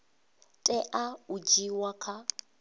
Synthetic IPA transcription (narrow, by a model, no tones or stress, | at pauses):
tʼɛʔaud͡ʒiwakʰa